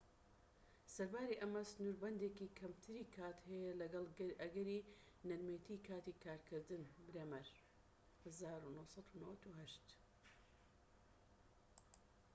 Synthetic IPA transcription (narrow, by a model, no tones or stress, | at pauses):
sɐɾbaːɾiʔɐmɐsɨnuːɾbɐnd̪eːkiːkʰɐmt̪ʰɨɾiːkʰaːt̪hɛjɐlɐɡɐlˠʔɐɡɐɾi | nɐɾmet̪ʰikʰaːt̪ikʰaːɾkʰɨɾd̪ɨnbɾeːmɐɾ | hɐzaːɾunosɑt̪unɐwɐt̪uɦɐʃt̪